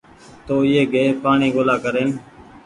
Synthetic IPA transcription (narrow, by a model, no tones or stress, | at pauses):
t̪oːɪɦeːɡeːpaːɳiːɡoːlaːkəɾeːn